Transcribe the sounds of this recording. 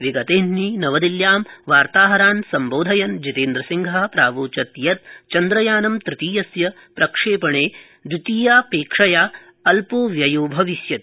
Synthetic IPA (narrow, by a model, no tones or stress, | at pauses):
ʋiɡɐt̪eːnninɐʋɐd̪iljaːmʋaːɾt̪aːɦɐɾaːnsɐmboːd̪ʱɐjɐnd͡ʒit̪eːnd̪ɾɐsiŋɡʱapɾaːʋoːt͡ʃɐt̪jɐt̪̚t͡ʃɐnd̪ɾɐjaːnɐmt̪ɾɪt̪iːjɐsjɐ | pɾɐkʂeːpɐɳeː | d̪ɾit̪iːjaːpeːkʂɐjaː | ɐlpoːʋjɐjoːbʱɐʋisjɐt̪